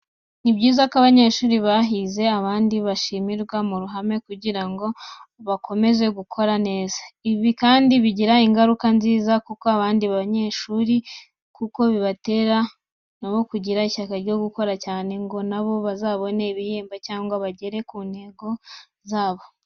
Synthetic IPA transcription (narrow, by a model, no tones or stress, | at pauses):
nibɟiːzakoaβaɲe̞ʃuːɾiβaɦize̞aβaːndiβaʃimiɾɡwamuɾuɦame̞kuɟiɾaŋɡo̞βakʰo̞me̞ze̞ɡukʰo̞ɾane̞ːzaiβikaːndiβiɟiɾaiŋɡaɾukanziːzakukoaβaːndiβaɲe̞ʃuːɾi | kuko̞βiβate̞ɾa | noβo̞kuɟiɾaiçakaɾɟo̞ɡuko̞ɾacaːne̞ŋɡo̞naβo̞βazaːβo̞neiβijeːmbacaːŋɡwaβaɟe̞ɾe̞kuːnhe̞ɡo̞ | zaːβo̞